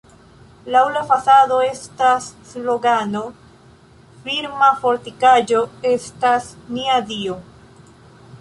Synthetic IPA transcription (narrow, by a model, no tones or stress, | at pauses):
lawlafasado̞e̞stasːlo̞ɡano̞ | fiɾmafo̞ɾtikad͡ʒo̞e̞stasniadio